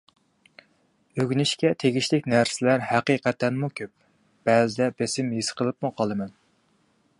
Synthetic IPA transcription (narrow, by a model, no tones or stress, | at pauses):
øɡʲnɪʃkʲɛt̪ʰeɡʲiʃlɪkʲnæɾsɪlæɾhæqiqɛt̪ʰɛnmukʲʰøp̚ | b̥ɛzɪd̪ɛbesɪmjisqʰəlˠɨp̚muqʰɑlˠɨmɛn